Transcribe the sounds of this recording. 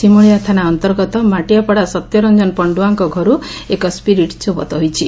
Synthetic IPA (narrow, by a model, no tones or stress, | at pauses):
simuɭijat̪ʰanaɔnt̪ɔɾɡɔt̪ɔmaʈijapɔɽasɔt̪jɔɾɔnd͡ʒɔnɔpɔɳɖuaŋkɔɡʱɔɾuekɔspiɾiʈt͡ʃubɔ̰t̪ɔɦjt͡ʃʰi